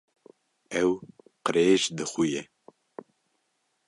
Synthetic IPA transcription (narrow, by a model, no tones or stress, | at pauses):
ɛw | qəɾeːʒd̪ɨxujɛ